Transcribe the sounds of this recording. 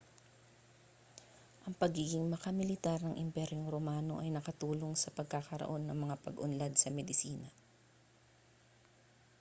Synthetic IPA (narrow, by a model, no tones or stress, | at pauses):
ʔɐŋpɐɡiːɡɪŋmɐkɐmɪlɪt̪aɾnɐŋʔɪmpɛɾoŋɾomaːno̞̰ʔɐjnɐkɐt̪uːlo̞ŋsɐpɐɡ̚kakɐɾɐ̰ʔo̞nːɐŋmɐŋapɐɡʔʊnlad̪sɐmɛd̪ɪsiːnɐ